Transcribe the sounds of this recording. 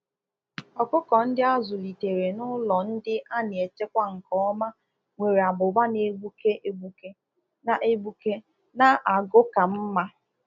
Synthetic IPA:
ɔ˨kʊ˦kɔ˨n̩˦dɪ˦a˦zʊ˨li˨te˨ɾe˨nʊ˦lɔ˨n̩˦dɪ˦ʔa˦nɪ˨e˨te˦kʷa˦ŋ̩˨kɔ˦ma˦ | ŋʷe˨ɾe˨a˨bʊ˨ba˦ne˦ɡ͡bʷu˦ke˦ʔe˦ɡ͡bu˦ke˦ | na˦ʔe˦ɡ͡bu˦ke˦ | na˦ʔa˨ɡʊ˦ka˨m̩˦ma˦

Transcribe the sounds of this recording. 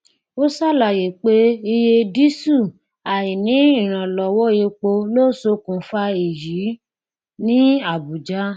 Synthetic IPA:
o˦sa˦˨la˨je˨k͡pe˦i˧je˧di˦su˦˨ | a˨ji˨nĩ˨˦i˦˨ɾ̃ã˨lɔ˨wɔ˦je˧k͡po˧lo˦˨so˧˦kũ˨˦fa˧i˨ji˨˦ | nĩ˦a˦˨bu˨d͡ʒa˦

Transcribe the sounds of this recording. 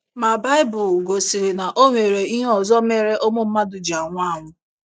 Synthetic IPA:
ma˨ba˦ɪ˦bʊ˨lɡo˨si˨ɾi˨na˨ʔo˦ŋʷe˨ɾe˨i˦ɦɔ˨zɔ˦m˦e˨˦ɾe˦ʔo˦mʊ˦m̩˦ma˦dʊ˨d͡ʒi˨a˨ŋʷʊ˦a˦˨ŋʷʊ˦

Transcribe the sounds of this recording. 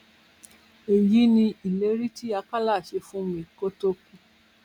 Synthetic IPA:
e˨ji˨˦nĩ˧i˨le˨˦ɾi˦ti˦a˧ka˦la˦˨ʃe˧fũ˦mĩ˨ko˦to˦ku˧

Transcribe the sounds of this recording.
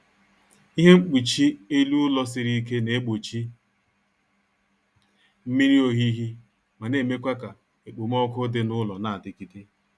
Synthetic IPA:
i˦ɦe˦ŋ͡m̩˦k͡pi˨t͡ʃi˦e˦lu˦lɔ˦s̬ɪ˨˦ɾi˦ke˦ne˨e˦ɡ͡bo˨t͡ʃi˦ | m̩˦mi˦ɾi˦o˨ɦi˦ɦi˦ | ma˨ne˦˨me˦kʷa˦ka˨ | e˨k͡po˨m˦ɔ˦kʊ˦dɪ˨nʊ˦lɔ˨na˦˨a˨dɪ˨ki˦ti˦

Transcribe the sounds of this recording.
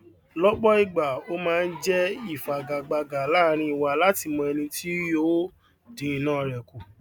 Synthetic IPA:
lɔ˦ɡ͡bɔ˦i˦˨ɡ͡ba˨o˦mãː˦˧n̩˦d͡ʒɛ˦i˦˨fa˨ɡa˨ɡ͡ba˨˧ɡa˨la˦˧ɾ̃ĩ˧˦i˨wa˧˨la˦ti˧mɔ̃˧ɛ˧nĩ˧ti˦jo˦ | de˨˦i˨nãː˦˧ɾɛ˨ku˨

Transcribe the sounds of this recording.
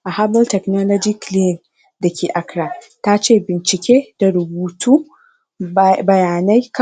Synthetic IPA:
ʔa˨haː˦bɔ˦ltɛ˨kno˦lɔ˦d͡ʒɪ˦kli˦˨n | da˨kʲeː˨ʔa˨kɽaː˨ta˦t͡ʃeː˦˨bɪ˨nt͡ʃɪ˨kʲʰeː˦d̥a˨ɽʊ˨buː˨tʰuː˦ | bɐ˨jaː˨na˦jk

